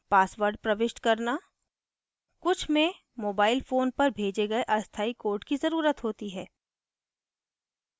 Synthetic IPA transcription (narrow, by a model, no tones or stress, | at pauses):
paːsʋəɾɖ̚pɾɐʋɪʃʈkɐɾna | kʊt͡ʃʰmẽ | moːbaːɪlfoːnpɐɾbʱeːd͡ʒeɡɐeʔɐst̪ʰaːikoːɾʈkizɐɾuːɾət̪ɦoːt̪iɦɛː